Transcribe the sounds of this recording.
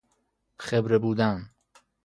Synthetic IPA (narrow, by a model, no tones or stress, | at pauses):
xebɾebuːd̪æn